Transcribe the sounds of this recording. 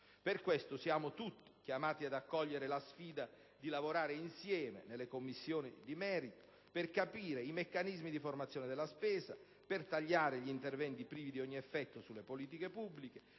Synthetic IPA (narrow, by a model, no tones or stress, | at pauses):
perkwest̪ʊsjaːmʊt̪ut̪ːi̥k̟jamaːt̪iad̪akːɔʎːeɾelasfiːd̪a | d̪ilavoɾaːɾeinsjɛːmḛnelːekomːisːjoːnid̪imɛːɾit̪o̥ | perkapiːɾeimekːanizmid̪iformat̪sːjoːnɪd̪elːaspɛːza | pɪrt̪aʎːaːɾeʎiint̪ervɛnt̪ipɾiːvid̪iɔɲːiɛfːɛt̪ːʊsulːepoliːt̪̬ikepubːlike